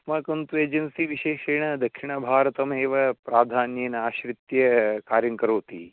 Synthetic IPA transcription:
smɐːkɐnt̪ueːd͡ʒɐnsiʋiʃeːʃeːɳɐd̪ɐkʂiɳɐbʱaːɾɐt̪ɐmeːʋɐpɾaːd̪ʱaːnjeːnɐaːʃɾit̪jɐkaːɾjɐŋkɐɾoːt̪ḭ

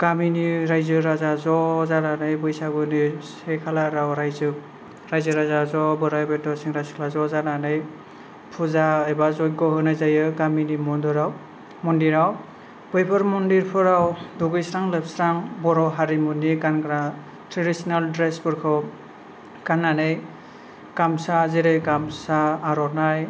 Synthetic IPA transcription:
ɡ̥aminiɾajzɯɾazazɔzaɾanɯjbɯjsaɡɯnisekʰalaɾawɾajzɯ | ɾajzɯɾazazɔbɔɾabetɔsiŋɾajskʰlazɔzananɯj | pʰuzaɯjbazɔjɡɔɦɯnajzajɯɡaminimɔndɔɾaw | mɔndiɾaw | b̥ɯjpʰɯɾmɔndiɾpʰɯɾawduɡɯjsɾaŋlepsɾaŋbɔɾɔwɦaɾimuniɡankɾa | tʰɾeɾisinaldɾesbɯɾkʰɔw | ɡ̥anːanɯj | ɡ̥amsaziɾejɡamsaːɾɔnaj

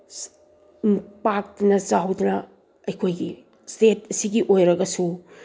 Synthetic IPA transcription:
impak̚tnɐt͡ʃaɦɐwdunɐ | ɐjkʰojɡi | stetɐsiɡiʔojɾɐɡɐsu

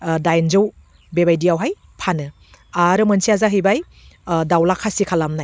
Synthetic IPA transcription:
dajnzɯw | bebajdijawɦaj | pʰanɯ | aɾɯmɯnsiazaɦɯjbaj | dawlakʰːasikʰalamnaj

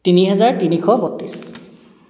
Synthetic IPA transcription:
tiniɦɛzaɹtinikʰɔbɔtːis

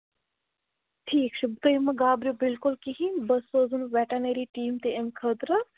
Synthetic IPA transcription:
ʈʰiːkt͡ʃʰubt̪əjmɐɡaːbɾjobɪlkʊlkiɦĩnbɐsːoːzunʋɛːʈɐneɾiʈiːmt̪eemkʰət̪ɾə

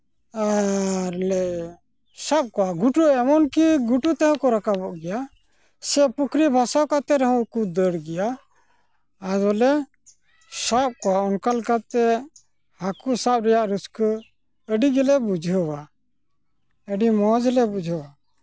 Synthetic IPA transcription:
aɾlɛ | sap̚kɔwaɡuʈuʔɛmɔnkiɡuʈut̪ɛɦɔ̃kɔɾakabɔʔɡɛja | sɛʔpukʰɾibʱasawkat̪ɛɾɔɦɔ̃kud̪əɽɡɛja | ɾɔlɛ | sap̚kɔwaɔnkalkat̪ɛ | hakusap̚ɾɛjaʔɾuskə | əɖiɡɛlɛbud͡ʒʱɦəwa | əɖimɔd͡ʒlɛbud͡ʒʱəwa

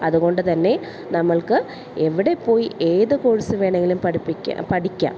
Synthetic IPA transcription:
ɐðuɣo̞ɳɖɨt̪ɐnːe̞ | nɐmːɐɭkɨ | eʋiɽe̞pːo̞ːjiʔeːðɨkoːɻisɨʋeːɳeŋɡilumpɐʈʰipːikʲːa̰pɐʈikʲːa̰ːm

